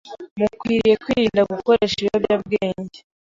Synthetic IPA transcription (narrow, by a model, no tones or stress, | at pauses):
mukwiːɾije̞kwiːɾiːndaɡuko̞ɾe̞ʃiobjabɡeːɲɟe